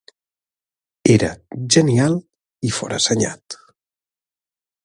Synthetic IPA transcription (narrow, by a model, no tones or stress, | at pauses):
eɾə̰ʒənialˠ | ifɔ̰ɾa̰səɲa̰t̪